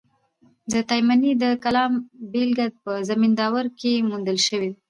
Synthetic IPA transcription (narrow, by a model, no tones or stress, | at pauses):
d̪ət̪ɑjmanid̪əkalɑmbelɡad̪̚pəzamind̪ɑwaɾkemund̪əlʃəwi